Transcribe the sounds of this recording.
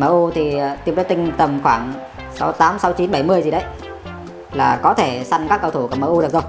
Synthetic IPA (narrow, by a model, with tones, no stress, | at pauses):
məː˧˩ʔu˧t̪ʰi˨˩t̪i˧əmzə˨˦jt̪ï˧ŋ̟t̪ə˨˩mxwaː˧˩ŋ | sa˨˦wt̪aː˨˦msa˨˦wt͡ɕi˨˦nɓa˧˩jmɨ˧əjzi˨˩ɗə˨˦j | laː˨˩kɔ˨˦t̪ʰe˧˩sa˧jŋkaː˦˥kːə˧wt̪ʰu˧˩ka˨˩məː˧˩ʔu˧ɗəzo˨˩j